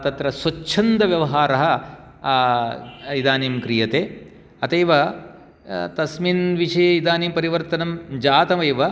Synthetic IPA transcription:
t̪ɐt̪ɾɐswɐt͡ʃʰɐnd̪ɐʋjɐʋɐɦaːɾɐɦɐ̆ | id̪aːniːmkɾijɐt̪eː | ɐt̪ɐjʋɐ | t̪ɐsminʋiʂɐjeid̪aːniːmpɐɾiʋɐɾt̪ɐnɐmd͡ʒaːt̪ɐʋɐjʋɐ

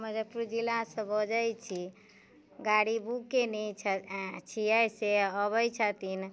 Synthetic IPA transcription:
məd͡ʒəpɾud͡ʒilasə̃bəd͡ʒəjt͡ʃʰi | ɡaɽibukenɛt͡ʃʰt͡ʃʰiəjseəbəjt͡ʃʰət̪in

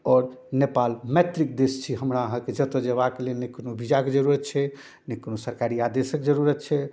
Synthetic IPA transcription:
ɔːɾnepalmɛt̪ɾik̚d̪est͡ʃʰiɦəmɾaəɦãked͡ʒət̪od͡ʒebakelenekːnobʱid͡ʒaked͡ʒəɾuɾət̪t͡ʃʰɛ | nekːnosəɾkaɾiad̪esəkd͡ʒəɾuɾət̪ːt͡ʃʰɛ

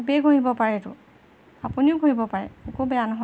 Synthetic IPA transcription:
beɡʱoɦibɔpaɹɛtʊ̰ | apuniʊɡʱoɦibɔpaɹɛ̰ɛkubɛjanɔɦɔ

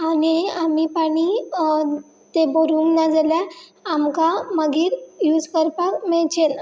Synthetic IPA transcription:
aniamipaɽ̃i | t̪eboɾuːnːad͡zəljaamkaməɡiːɾjuːd͡zkəɾpakmeɭt͡ɕen

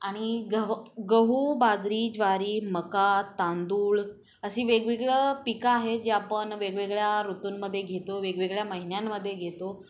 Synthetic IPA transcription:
aɽ̃iɡəɡəɦubad̪ɾiːd͡ʑʋaɾiːməkat̪and̪uːɭ | əsiːʋeɡʋeɡɭəpikaːɦed͡ʑeapəɳʋeɡʋeɡɭjaɾut̪uːnməd̪ʱːjeɡʱet̪oʋeɡʋeɡɭjaməɦinjamːəd̪ʱːjeɡʱet̪o

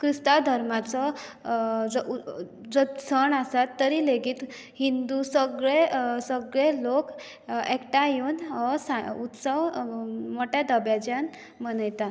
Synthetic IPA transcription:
kɾist̪ad̪ʱəɾmat͡sɔ | d͡z | d͡zɔsəɳasat̪ːəɾileɡiːt̪ | hind̪usəɡɭesəɡɭelok | ɛkʈajonɔsaut̪səwmɔʈad̪əbjad͡ʑan | mənəjt̪a

